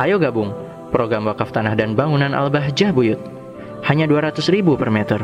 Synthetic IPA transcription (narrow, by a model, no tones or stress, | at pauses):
ʔajoɡabʊŋ | pɾoɡɾamwakaft̪anahdanbaŋunanʔa̰lbaɦd͡ʒahbujʊt̪̚ | haɲaduaɾat̪ʊsribupərmɛt̪ər